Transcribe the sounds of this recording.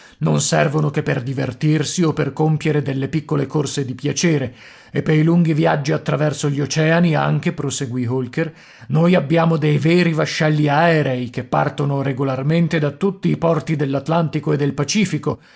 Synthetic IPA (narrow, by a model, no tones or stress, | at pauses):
nonsɛrvonokepːerd̪ivert̪irsiopːerkompjeɾed̪elːepikːolekorsed̪ipjat͡ʃɛːɾe | epːejluŋɡivjad͡ʒːiat̪ːɾavɛrsoʎːot͡ʃɛːania̰ŋk̟epɾoseɡwiɦolker | noːjabːjaːmod̪ejvɛːɾivaʃːɛlːiaɛɾɛjkepːa̰rt̪onoɾeɡolarment̪ed̪at̪ːut̪ːiːpɔrt̪id̪elːat̪lant̪ikoed̪ːelpat͡ʃiːfiko